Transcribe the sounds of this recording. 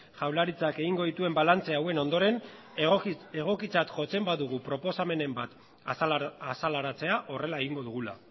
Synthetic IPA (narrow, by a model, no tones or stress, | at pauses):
ʝawlaɾit͡sakeɣiŋɡo̞ðit̪ue̞mbalant͡se̞awe̞no̞nd̪o̞ɾe̞n | eɣ̞o̞kit͡sat̪ʝo̞t͡se̞mbaðuɣ̞upɾo̞po̞same̞ne̞mbat̪ | salaɾat͡se̞aʔo̞re̞laeɣiŋɡo̞ðuɣ̞ula̰